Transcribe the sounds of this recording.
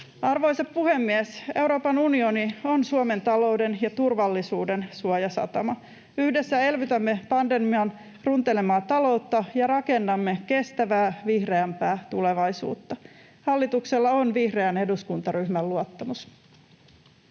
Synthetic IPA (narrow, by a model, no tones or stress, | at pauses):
ɑrʋo̞jseppuhe̞mːiese̞wɾo̞ːpɑnunio̞nio̞nsuome̞nt̪ɑlo̞wde̞njɑt̪urʋɑlːisuːde̞nsuojɑsɑ̰t̪ɑ̰mɑ | yhde̞sːæe̞lʋyt̪æmːe̞pɑndemiɑn | runt̪ele̞mɑːt̪ɑlo̞ut̪ːɑjɑɾɑke̞nːɑmːeke̞st̪æʋæːʋihre̞æmpæːt̪ule̞ʋɑjsṵːt̪ːɑ | hɑlːit̪ukselːɑo̞nʋihreæne̞duskunt̪ɑɾyhmælːuot̪ːɑmus